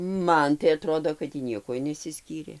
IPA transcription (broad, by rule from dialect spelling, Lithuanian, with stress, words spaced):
ˈmɐn tɐɪ ɐˈtroːdoː kɐt tʲiː ˈnʲiɛkuɔj nʲɛsʲɪˈsʲkʲiːrʲeː